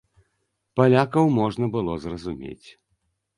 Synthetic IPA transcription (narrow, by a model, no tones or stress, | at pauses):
palʲakɐwmɔʐnɐbɨlˠɔzrɐzumʲḛt͡sʲ